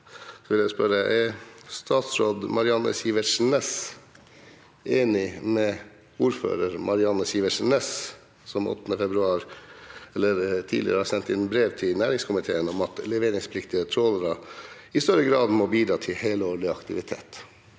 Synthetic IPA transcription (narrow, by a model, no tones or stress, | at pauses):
sɔʋɪljæspœɾəʔɛst̪ɑːt̪sɾoːd̪mʔɑɾɪɑnə̰siːʋəʂn̩ɛs | ʔeːnɪmɛ | uːɾfø̰ːɾəɾmʔɑɾɪɑnːəsiːʋəʂn̩ɛs | sɔmɔ̰t̪ːnəfɛbɾʉɑːɾɛlːəɾt̪ʰḭːd̪ɪ̰ɾəhɑːɾsɛnt̪ɛnbɾeːʋt̪ʰɪlnæːɾɪŋskʰʊmɪt̪ʰeːənɔmɑt̪lɛʋeːɾɪŋspʰlɪkt̪ɪət̪ʰɾoːləɾɑɪst̪œɾəɡɾɑːd̪mɔbiːd̪ɾɑːt̪ʰɪlheːləoːɭɪɑkt̪ɪʋɪt̪ʰḛːt̪